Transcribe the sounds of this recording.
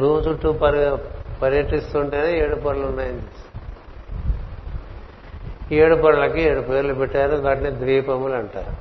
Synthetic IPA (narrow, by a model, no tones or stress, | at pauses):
ɾuːt͡ʃuʈːupɐɾɡapɐɾjɐʈist̪uːɳʈeneeːɽupɐɾɐlunːaːjɐnd̪i | eːɽupɐɾɐlɐkieːɽupeːɾlupɛʈːaːɾuʋaːʈined̪ʋiːpɐmulɐɳʈa̰ːɾu